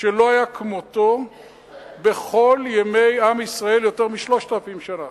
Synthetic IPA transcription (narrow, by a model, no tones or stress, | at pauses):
ʃelo̞ajakʰmot̪o | beχo̞ljeme̞jamisʁae̞ljo̞t̪eʁmiʃlo̞ʃt̪alafimʃana